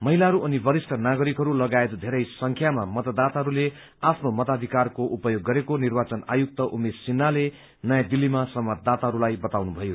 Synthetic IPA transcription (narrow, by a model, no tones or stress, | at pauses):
mʌɦilaɦʌɾuʔʌnibʌɾisʈʰʌnaɡʌɾikɦʌɾulʌɡaet̪d̪ʱeɾʌjsʌŋkʰjamamʌt̪ʌd̪at̪aɦʌɾule | apʰnomʌt̪ad̪ʱikarkoʔupʌjoɡːʌɾekonirbat͡sʌna̰juk̚t̪ʌʔumesinːale | nʌjad̪ilːimasʌmʌt̪̚d̪at̪aɦʌɾulajbʌt̪awnubʱʌjo